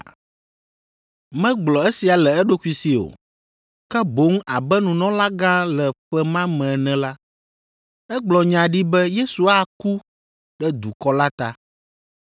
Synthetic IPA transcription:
mɛ̃˦ɡ͡blɔ˨ɛ˦si˨a˨lɛ˨ɛ˦ɖo˦ku˦i˨si˨o̰˨ | kɛ˦bo˦ŋ˦a˨bɛ˦nũ˨nɔ̃˦la˦ɡã˦lɛ˨ɸɛ˦mã˦mɛ̃˨nɛ̃˨la˦ | ɛ˦ɡ͡blɔ˨ɲã˨ɖi˦bɛ˦je˦su˨a˦ku˦ | ɖɛ˦d̪u˨kɔ˦la˦t̪a˦

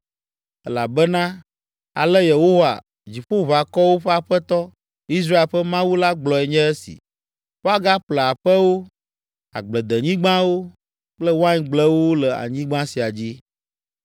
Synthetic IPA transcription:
ɛ˦la˨bɛ˦nã˦ | a̰˨lɛ˦je˨ɦo˦wa̰˨ | d͡ʑi˨ɸo˦βa˨kɔ˦wo˦ɸɛ˦a˨ɸɛ˦t̪ɔ˦ | i˦s̬ɾa˦e˨lɸɛ˦mã˦wu˦la˦ɡ͡blɔ˨ɛ˨ɲɛ̃˦ɛ˦sḭ˨ | ɸo˦a˦ɡa˦ɸlə˨a˨ɸɛ˦wo˦ | a̰˨ɡ͡blɛ˨d̪ə˨ɲĩ˦ɡ͡bã˦wo˦ | k͡plɛ˦wo˦a˦ɲĩ˨ɡ͡blɛ˦wo˦lɛ˨a̰˨ɲĩ˦ɡ͡bã˦si˨a˨d͡ʑi˦

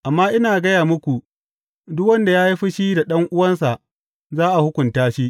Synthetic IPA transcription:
ʔa˨mːaː˦ʔɪ˦naː˨ɡɐ˦jaː˨mʊ˦kʷu˨ | dʊ˦kwɐ˦nda˨jaː˦ji˦ɸi˦ʃiː˦da˨ɗɐ˦ŋʔʊ˦wɐ˦nsa˨ʔ | zaː˦ʔa˨hʊ˦kʷʊ˨ntaː˦ʃi˦

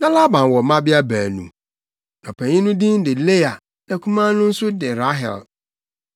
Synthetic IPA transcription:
nã˦la˦bã˨n˨wɔ˨mã˦bɪ˦a˦bæː˨nṵ̃˨ | nã˨pʰæ̃˨ɲĩ˦nʊ̃˦dĩ˦n˦dɪ˨le˦a˨ | nã˨kʰũ˦mã˦nʊ̃˦n̩˦sʊ˦dɪ̃˨ɾa˦ɦɛ̰˨l

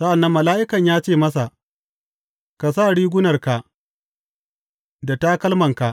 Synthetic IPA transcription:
sɐ˦ʔa˨nːɐ˦mːɐ˨laː˦ʔɪ˦kɐ˨ɲjaː˦t͡ʃeː˦˨mɐ˦s̬a˨ | ka˨s̬a˦˨ɽiː˦ɡʷʊ˦nɐ˨rka˨ | da˨ta˦kɐ˦lmɐ˨ŋka˨ʔ

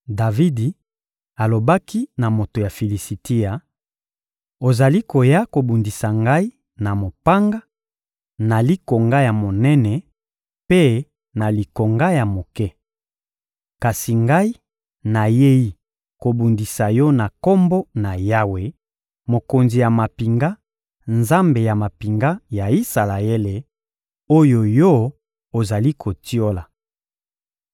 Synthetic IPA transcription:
da˨vi˦di˨ | a˨lo˨ba˦ki˦na˨mo˨to˨ja˨fi˨li˨si˨ti˦ja˨ | o˨za˨li˦ko˨ja˦ko˨bu˨ndi˨sa˨ŋɡa˦i˦ | na˨mo˨pa˦ŋɡa˦ | na˨li˦ko˨ŋɡa˦ja˨mo˨nɛ˦nɛ˨ | pe˦ | na˨li˨ko˨ŋɡa˦ja˨mo˨kɛ˦ | ka˨si˨ŋɡa˦i˦ | na˨je˦ji˦ | ko˨bu˨ndi˨sa˨jɔ˦na˨ko˦mbo˦na˨ja˦we˨ | mo˨ko˨nzi˨ja˨ma˨pi˨ŋɡa˦ | nza˦mbe˨ja˨ma˨pi˨ŋɡa˦ja˨i˦sa˨la˨e˦le˨ | o˦jo˨jo˦ | o˨za˨li˦kʰo˨ti˦o˦la˨

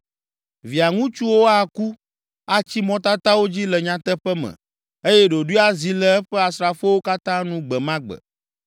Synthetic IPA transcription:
vi˨a˨ŋũ˦t͡ʃu˦wo˦a˦ku˦ | a˦t͡ɕi˦mɔ̃˦t̪a˦t̪a˦wo˦d͡ʑi˦lɛ˨ɲã˦t̪ɛ˦ɸɛ˦mɛ̰̃˨ | e˦jɛ˦ɖo˨ɖu˦a˦zi˨lɛ˦ɛ˦ɸɛ˦a˨sɾa˨fo˦wo˦ka˦t̪ã˦nũ˦ɡ͡bɛ˨mã˦ɡ͡bɛ̰˨

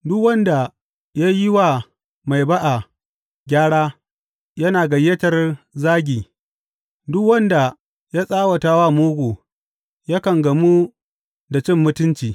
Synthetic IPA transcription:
dʊ˦kwɐ˦nda˨ | ja˦jɪ˦wa˦˨ | ma˨jba˦ʔa˨ | ɡʲaː˦ɽaː˦ | jɐ˦naː˨ɡɐ˨jɐ˦tɐ˨rzaː˦ɡʲiː˨ | dʊ˦kwɐ˦nda˨ | ja˦sʼaː˦wɐ˨taː˦waː˦moː˦ɡʷoː˨ | ja˦kɐ˨ŋɡɐ˨mu˦ | da˨t͡ʃɪ˦mːʊ˦tʊ˦nt͡ʃiː˨

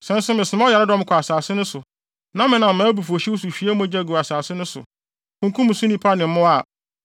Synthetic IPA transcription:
sɛ̃˨˦n˦sʊ˦mɪ̃˨sɪ˨m˦ɔ˦ja˨ɾɪ˦dɔ̃˦m˦kʰɔ˨a˨saː˨sɪ˦nʊ̃˦sʊ˨ | nã˦mɪ̃˨nã˨mãː˨˦bu˨fu˨o˨ɕi˦wo˦su˨ɕᶣi˦æ˦mʊ̃˦d͡ʑa˦˨ɡu˨a˨saː˨sɪ˦nʊ̃˦sʊ̰˨ | kʰʊ̃˨ŋkʰũ˦mʊ̃˨sʊ̃˦nĩ˦pʰa˦nɪ̃˨m˦mʊ̃˦a˦˨

